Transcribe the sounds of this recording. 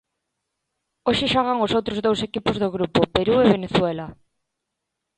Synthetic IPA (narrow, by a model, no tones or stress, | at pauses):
oʃɪʃaɣaŋosowt̪ɾozðowsekipozðoɣɾupopeɾueβeneθwela